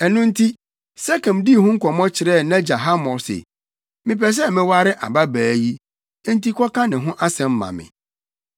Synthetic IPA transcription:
ɛ˨nʊ̃˦n̩˦tʰi˦ | sɛ˦kɛ̃˨mdi˦˨hʊ̃˦ŋ̩˦kʰʷɔ˨mɔ̃˦t͡ɕʰɪ˨ɾɛ˦˨nã˦d͡ʑa˨ɦa˦mɔ˨sḛ˨ | mɪ̃˨pʰɛ˨s̬ɛ˦˨mɪ̃˦wa˦ɾɪ˦ʔa̰˨ba˦bæː˨ji˦ | n̩˦ti˦kʰɔ˦kã˦nɪ̃˨ɦʊ̃˦ʔa˦sɛ̃˨m̩˦mã̰˨mɪ̰̃˨

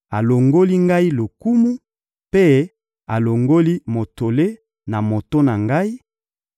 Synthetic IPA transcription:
a˨lo˨ŋɡo˦li˦ŋɡa˦i˦lo˨ku˦mu˦ | pe˦ | a˨lo˨ŋɡo˦li˦mo˨to˨le˦ | na˨mo˨to˦na˨ŋɡa˦i˦

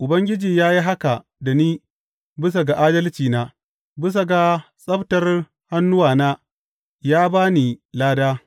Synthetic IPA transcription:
ʔʊ˨bɐ˦ŋɡʲɪ˦d͡ʒiː˨jaː˦ji˦ɦa˦ka˨ | da˨niː˦ | bɪ˦s̬a˨ɡa˨ʔaː˦dɐ˦lt͡ʃiː˨naː˦ | bɪ˦s̬a˨ɡa˨ | sʼɐ˦btɐ˨r | ha˦nːʊ˦waː˨naː˦ | jaː˦baː˦niː˨laː˦daː˦

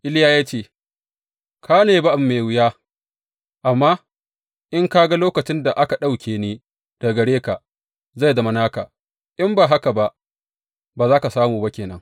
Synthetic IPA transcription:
ʔɪ˦ljaː˦jaː˦t͡ʃeː˦˨ | kʰaː˦neː˨ba˦ʔa˨mːe˨wɪ˦jaː˦ | ʔa˨mːaː˦ | ʔɪ˦ŋka˦ɡa˦loː˦kɐ˨t͡ʃɪ˦nda˨ʔa˦ka˨ɗa˦˨wkʲeː˨neː˦ | d̥a˨ɡɐ˨ɽeː˦ka˨ | za˦˨dɐ˨ma˦naː˦ka̰˨ | ʔɪ˦mbaː˨ɦa˦ka˨ba˦ʔ | baː˨zaː˦ka˨saː˦muː˨ba˦kʲeː˨nɐ̰˦ŋ

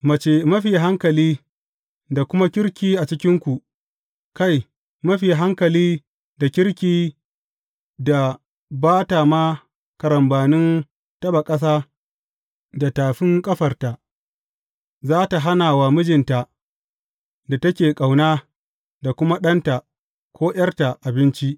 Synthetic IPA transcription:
mɐ˨t͡ʃe˦mɐ˦ɸi˨jɦa˦ŋkɐ˨liː˦ | da˨kʷʊ˦ma˦kʲɪ˦ɾkʲiː˦ʔa˨t͡ʃɪ˦kʲɪ˦ŋkʷu˨ | ka˦˨j | mɐ˦ɸi˨ɦa˦ŋkɐ˨liː˦ | da˨kʲɪ˦ɾkʲiː˨ | da˨ | baː˦ta˨maː˦ | kɐ˨ɾɐ˨mbaː˨nɪ˦n | tɐ˦ba˨kʼɐ˦s̬aː˦ | da˨taː˨ɸɪ˦ŋkʼɐ˦ɸɐ˨rta˨ʔ | zaː˦ta˨ɦa˦naː˨wa˨mʊ˦d͡ʒɪ˨nta˨ | da˨tɐ˦kʲeː˨kʼa˨wnaː˦ | da˨kʷʊ˦ma˦ɗɐ˦nta˨ | kʷoː˦j̰ɐ˦rta˨ʔa˨bɪ˦nt͡ʃi˦ʔ

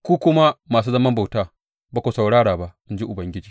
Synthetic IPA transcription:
kʷuː˦kʷʊ˦ma˦maː˨s̬uː˦zɐ˦mɐ˦mba˨wtaː˦˨ | baː˦kʷoː˨sa˨wɽaː˦ɽaː˨ba˦ʔʔɪ˦nd͡ʒi˦ʔʊ˨bɐ˨ŋɡʲɪ˦d͡ʒiː˨

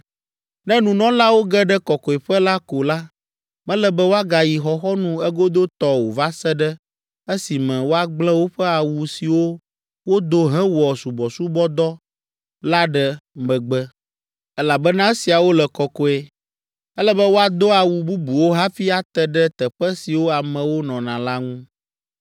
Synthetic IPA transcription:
nɛ̃˦nũ˨nɔ̃˦la˦wo˦ɡɛ˦ɖɛ˦kɔ˨kɔ˨e˨ɸɛ˦la˦ko˨la˦ | mɛ̃˦lɛ˨bɛ˦wo˦a˦ɡa˨ji˨xɔ˨xɔ˦nũ˦ɛ˦ɡo˦d̪o˦t̪ɔ˦wo˨va˦sɛ˦ɖɛ˦ | ɛ˦si˨mɛ̃˨wo˦a˦ɡ͡blɛ̃˦wo˦ɸɛ˦a˨wu˨si˨wo˦ | wo˦d̪o˦ɦɛ̃˦wɔ˨su˨bɔ˨su˦bɔ˦d̪ɔ˦ | la˦ɖɛ˦mɛ̃˨ɡ͡bɛ˦ | ɛ˦la˨bɛ˦nã˦e˦si˨a˨wo˦lɛ˨kɔ˨kɔ˦ɛ˦ | ɛ˦lɛ˦bɛ˦wo˦a˦d̪o˦a˨wu˨bu˦bu˨wo˦ɦa˦fi˦a˨t̪ɛ˦ɖɛ˦t̪ɛ˨ɸɛ˦si˨wo˦a˨mɛ̃˨wo˦nɔ̃˨nã˨la˦ŋũ˦

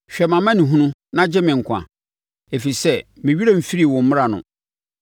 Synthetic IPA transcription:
ɕᶣɛ˨mã˨mã˦nĩ˨ɦũ˦nũ˦nã˦d͡ʑɪ˦mɪ̃˨ŋ̩˨kʷʰã̰˨ | e˨fi˨sɛ˦mɪ̃˨ɥi˦e˦˨m̩˨fi˦ɾi˦˨wɔ̃˨m̩˦mɪ̃˦ɾa˨nʊ̰̃˨

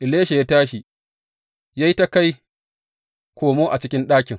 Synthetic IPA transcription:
ʔɪ˨leː˦ʃe˨ja˦taː˦ʃi˨ | ja˦ji˦ta˦ka˦j | kʷoː˨moː˦ʔa˨t͡ʃɪ˦kʲɪ˦nɗaː˦kʲɪ˨ŋ

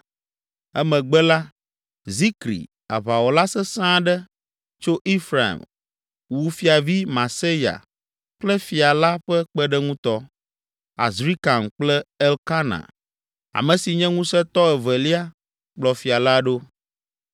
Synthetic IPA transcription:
ɛ˦mɛ̃˨ɡ͡bɛ˦la˦ | zi˦kɾḭ˨ | a̰˨βa˨wɔ˨la˦sɛ˦sã˦ɖɛ˦ | t͡ʃo˦ʔi˦fɾa˨ḭ˨m | wu˨fi˨a˨vi˦mã˨se˦ja̰˨ | k͡plɛ˦fi˨a˨la˦ɸɛ˦k͡pɛ˦ɖɛ˦ŋũ˦t̪ɔ˦ | a̰˨zɾi˦ka˨m̩˨k͡plɛ˦ɛ˦lka˦nã̰˨ | a̰˨mɛ̃˨si˨ɲɛ̃˦ŋũ˦sɛ˦t̪ɔ˦ɛ˨vɛ˨li˦a˦ | k͡plɔ˨fi˨a˨la˦ɖo˦

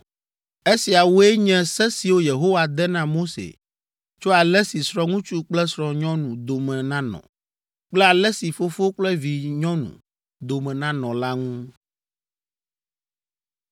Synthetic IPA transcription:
e˦si˨a˨wo˦ɛ˦ɲɛ̃˨sɛ˦si˨wo˦je˨ɦo˦wa˨d̪ɛ˦nã˦mo˦sḛ˨ | t͡ʃo˦a˨lɛ˦si˨sɾɔ̃˦ŋũ˦t͡ʃu˦k͡plɛ˦sɾɔ˨ɲɔ̃˦nũ˨d̪o˨mɛ̃˨nã˦nɔ̰̃˨ | k͡plɛ˦a˨lɛ˦si˨fo˦fo˦k͡plɛ˦vi˨ɲɔ̃˦nṵ̃˨ | d̪o˨mɛ̃˨nã˦nɔ̃˨la˦ŋũ˦

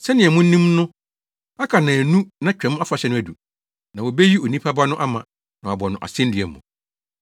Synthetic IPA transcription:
sɛ˦nɪ̃˨ɛ˨mʊ̃˦n̩˦nĩ˦mnʊ̃˦ | a˦kʰa˨nã˨nũ˦nã˦t͡ɕᶣɛ̃˨˦m˦a˦fa˨ɕɛ˦nʊ̃˦æ˨du˨ | nã˨wɔ˨be˦ji˦o˨nĩ˦pʰa˦ba˦nʊ̃˦ʔa˦mã˨ | nã˨wa˨bɔ˨nʊ̃˨ʔa̰˨sɪ̃˦n˦dɪ˨ɛ˨mṵ̃˨

